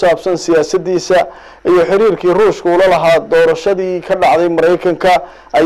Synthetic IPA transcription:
aːbsɐnsɪjaːsɐd̪iːsɐ | ʔijɞħɪɾiːrkʰiːruːʃkʰʊuːlɐlɐɦaːd̪ɔːɾɐʃɐðiːkʰɐɖɑʕðɛjmɐɾɛjkʰɐŋkʰɐ | ʔɐ

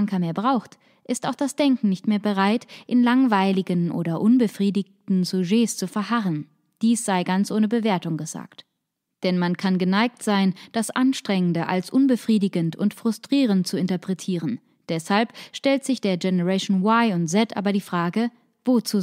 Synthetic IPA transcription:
ŋkɐmeːɐbʁaʊxt | ʔɪstaʊxd̥asd̥ɛŋkŋ̩nɪçtmeːɐbəʁaɪtʔɪnlaŋvaɪlɪɡənʔo̰ːɾɐʔʊnbəfʁ̥iːdɪçtn̩zoʒeːst͡sufɛɐɦaʁən | d̥iːsz̥aɪɡant͡sʔoːnəbəveːɐtʊŋɡəza̰ːkt | d̥ɛnmankʰanɡənaɪk̚tz̥aɪnd̥asʔanʃtʁ̥ɛŋəndəʔa̰lsʔʊnbəfʁ̥iːdɪɡəntʰʊ̰ntfʁ̥ʊstʁ̥iːʁ̞ənt̚t͡suɪntɐpʁ̥ɛtʰiːʁ̞ən | d̥ɛshalpʃtɛltz̥ɪçd̥eːɐɡɛnəʁɛʃonwaɪʊntz̥ɛtʔa̰ːbɐdiːfʁ̥aːɡə | voːt͡suː

